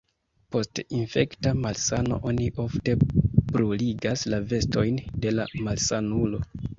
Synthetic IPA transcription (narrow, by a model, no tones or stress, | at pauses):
po̞stinfe̞ktamalsano̞̰ʔo̞niʔo̞fte̞b̥ɾoliɡaslave̞sto̞jnde̞lamalsanulo̞